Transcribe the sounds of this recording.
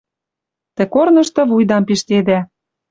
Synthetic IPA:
t̪ĕkornɤ̆ʃt̪ɤ̆βujd̪ɑmpiʃt̪ed̪æ

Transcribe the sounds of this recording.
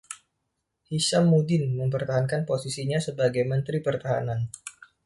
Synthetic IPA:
hiʃamːudɪnməmpərt̪aɦankanposisiɲasəbaɡajmənt̪ɾipərt̪aɦa̰nan

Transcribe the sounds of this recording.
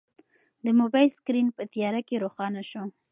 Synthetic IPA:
d̪əmobɑjlskɾinpət̪ijɑɾakeɾoxɑnaʃo

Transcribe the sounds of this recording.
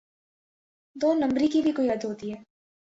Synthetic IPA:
d̪oːnɐ̃mbɾikibʱikoiɐd̪ɦoːt̪iɦɛː

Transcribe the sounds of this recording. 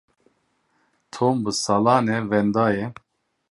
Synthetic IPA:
t̪ʰoːmbɨsɑlɑːnɛvɛnd̪ɑːjɛ

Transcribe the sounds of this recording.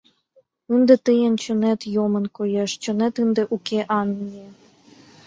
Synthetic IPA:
ɨnd̪ĕt̪ɨjənt͡ɕə̆net̪jomə̆nkojeʃt͡ɕɤ̆net̪ɨnd̪ĕʔukeʔɑnːie

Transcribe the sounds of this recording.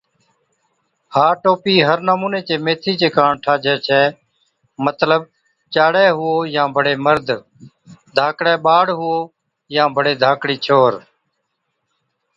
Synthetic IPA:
haːʈoːpiːɦəɾnəmũːneːt͡ʃeːmeːt̪ʰiːt͡ʃeːkãːɳʈʰaːd͡ʒʱɛːt͡ʃʰɛː | mət̪ləb̚ | t͡ʃaːɽɛːɦʊoːjãːbʱəɽeːməɾd̪ʱ | d̪ʱaːkɽɛːɓaːɽɦʊoː | jãːbʱəɽeːd̪ʱaːkɽiːt͡ʃʰoːɾ

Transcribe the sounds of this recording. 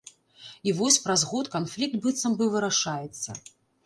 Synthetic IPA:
ivɔsʲpɾazɣɔt̪kanflʲik̚t̪̚bɨt̪sɐmbɨvɨɾaʂajɛt̪sːɐ̰

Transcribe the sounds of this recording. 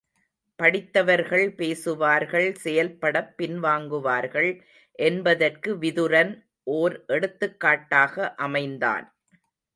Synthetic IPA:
pɐɽɪt̪ːɐʋɐɾɣɐɭpeːsɯʋaːɾɣɐɭsɛjɐlpːɐɽɐpːɪnʋaːŋɡɯʋaːɾɣɐɭ | ʔɛnbɐðɐrkɯʋɪðɯɾɐn | ʔoːɾʔɛɽɯt̪ːɯkːaːʈːaːɣɐʔɐmɐɪnd̪a̰ːn

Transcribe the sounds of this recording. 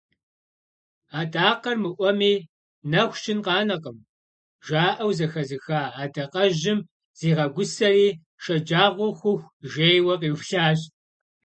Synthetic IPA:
aːtʼaːqɐrmɨʔʷɔmiː | nɐxʷt͡ʃʰʼɪnqɑːnɐqəm | ʒaːʔɐwzɐxɐzɨxaːaːdɐqɐʑɪm | z̥iːʁɐɡʷʊsɐriː | ʃɐd͡ʒaːʁʷʊxʷʊxʷʒeːjwɐqiːwʷɬaːɕʼ

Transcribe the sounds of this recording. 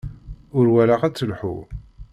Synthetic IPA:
ʊɾwælaʁæt͡sːəlħṵ

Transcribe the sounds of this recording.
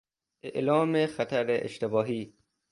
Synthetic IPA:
ʔḛʔlɒːmexæt̪ʰæɾeʔḛʃt̪ebɒːɦiː

